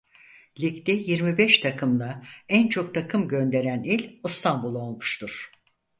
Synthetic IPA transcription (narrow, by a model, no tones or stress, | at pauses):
lʲict̪ɛjiɾmibɛʃt̪ʰakʰɯmd̪ˠaænt͡ʃʰo̞k̚t̪ʰakʰɯmɟø̞nd̪e̞ɾænilʲɯst̪ʰanbulˠo̞lˠmuʃt̪ʰuɾ̥